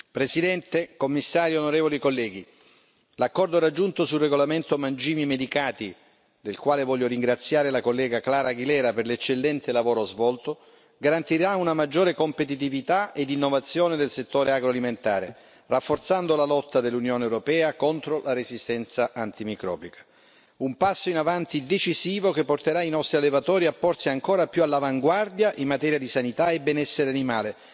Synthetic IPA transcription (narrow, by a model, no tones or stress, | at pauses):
pɾesid̪ɛnt̪ekomːisːaːɾjonoɾeːvolikolːɛːɡi | lakːɔrd̪oɾad͡ʒːunt̪osulreɡolament̪omand͡ʒiːmimed̪ikaːt̪i | d̪elkwaːlevɔljoɾiŋɡɾat̪sːjaːɾelakolːɛːɡaklaːɾaɡilɛːɾaperlet͡ʃːelːɛnt̪elavoːɾozvɔlt̪o | ɡaɾant̪iɾaunamad͡ʒːoːɾekompet̪̬it̪ivit̪aed̪inːovat̪sːjoːned̪elset̪ːoːɾeaɡɾoaliment̪a̰ːɾe | rafːort̪sand̪olalɔt̪ːad̪elːunjoːnewɾopɛːakont̪ɾolʔaɾezist̪ɛnt̪saʔant̪imikɾɔ̰ːbikḁ | umpasːoinavant̪id̪et͡ʃisiːvokepːort̪eɾainɔst̪ɾialːevat̪ɔːɾiapːɔrsiaŋkoːɾapjualːavaŋɡward̪jaʔimmːat̪ɛːɾjad̪isanit̪aebɛnɛsːeɾeanimaːle